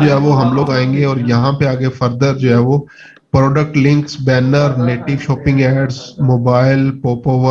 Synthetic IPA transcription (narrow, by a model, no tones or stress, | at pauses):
d͡ʒoːɦɛːʋoɦɐmloːɡaːẽːŋɡeɔːɾjɐɦãpeaːɡefɐɾd̪əɾd͡ʒoːɦɛːʋo | pɾɔːɖək̚ʈlɪ̃ŋksbɛːnəɾneːʈɪʋʃɔːpɪ̃ŋɡɛːɖzmoːbaːɪlpoːpoːʋə